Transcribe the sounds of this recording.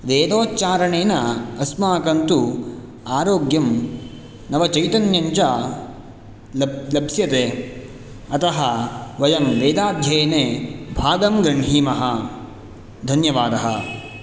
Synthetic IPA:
ʋeːd̪oːtt͡ʃaːɾɐɳeːnɐɐsmaːkɐnt̪u | aːɾoːɡjɐm | nɐʋɐt͡ʃɐjt̪ɐnjɐɲt͡ʃɐ | lɐbsjɐt̪e | ɐt̪ɐɦɐʋɐjɐmʋeːd̪aːd̪ʱjeːnebʱaːɡ̪ɐmɡɾɐɳɦiːmɐɦɐ | d̪ʱɐnjɐʋaːd̪ɐɦɐ̰

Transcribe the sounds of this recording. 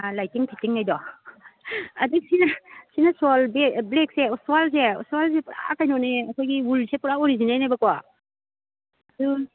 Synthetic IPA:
lajtiŋpʰitiŋajdɔ | ɐdɯk̚sinasinasɔlbeblek̚seɔswalseɔ̰swals̬epuɾa̰kajnɔneɐkʰɔjɡiulsepuɾaɔɾizinajnabakwɔ | adu

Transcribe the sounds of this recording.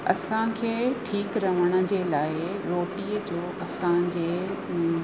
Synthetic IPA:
ɐ̰sãkʰeːʈʰiːkɾɐʋ̤əɽ̃ə̆d͡ʑeːlaːɪɾoːʈiːəd͡ʑoːʔɐsãd͡ʑeː

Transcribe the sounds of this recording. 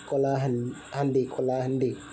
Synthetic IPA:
kolaɦan | handikolahandi

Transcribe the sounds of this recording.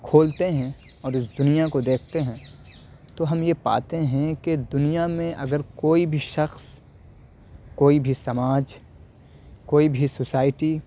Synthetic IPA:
kʰoːlt̪eɦɛ̃ɔːɾʊs̬d̪ʊnijakod̪eːkʰt̪eɦɛ̃ː | t̪oɦɐmjepa̰ːt̪eɦɛ̃ked̪ʊnijamẽʔɐɡəɾkoːibʱiʃɐxs | koːibʱisɐmaːd͡ʒ | koːibʱisʊsaːɪʈi

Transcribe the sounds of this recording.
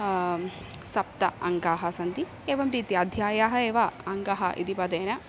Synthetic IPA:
sɐp̚t̪ɐ̰ɐŋɡaːɦɐsɐnd̪i | eːʋɐmɾiːt̪iɐd̪ʱjaːjaːɦɐeːʋɐɐŋɡaɦɐʔḭd̪ipɐd̪eːnɐ

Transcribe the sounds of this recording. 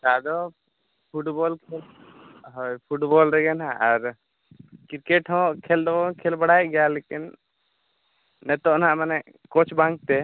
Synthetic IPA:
t͡ʃad̪ɔ | pʰuʈbɔlkʰɛl | ɦɔjpʰuʈbɔlɾɛɡɛnɦaʔaɾ | kiɾkɛʈɦɔ̃kʰɛld̪ɔbɔkʰɛlbaɽajɡɛjalekin | ɛt̪ɔʔnaʔmanɛʔ | kɔt͡ʃʰbãŋk̚t̪ɛ

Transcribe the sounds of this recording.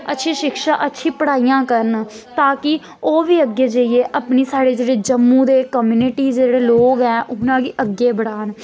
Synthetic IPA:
ətːʃʰĩːʃɪkʃaːʔətːʃʰiːpəɽaːijãːkəɾən | t̪aːkɪ | oːʋiːəɡːeːd͡ʒəiːeːʔəpniːsaːɽeːd͡ʒeːɽeːd͡ʒəmːũːd̪eːkəmjuːnɪʈiːd͡ʒeːɽeːloːɡɛːʔʊnãːkiːʔəɡːeːbəɽaːn

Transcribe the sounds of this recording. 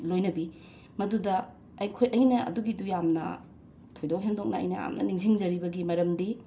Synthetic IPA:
lojnɐbi | mɐdudɐː | jkʰojʔɐjnɐɐ̰duɡidujamnɐ̰ | tʰojdokɦendok̚nɐɐ̰jnɐja̰mnɐ̰niŋziŋzɐɾibɐɡimɐɾɐmdi

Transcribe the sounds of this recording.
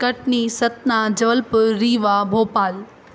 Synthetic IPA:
kɐʈnisɐt̪naːd͡ʑɐʋəlpʊɾiːʋaːbʱoːpaːl

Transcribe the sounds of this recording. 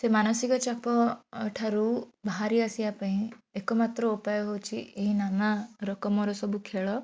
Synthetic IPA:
semanɔsikɔt͡ʃapɔːʈʰaɾubaɦaɾiasiapãĩekɔmat̪ɾɔupajɔɦot͡ʃʰieɦinamaɾɔkɔmɔɾɔsɔbukʰeɭɔ

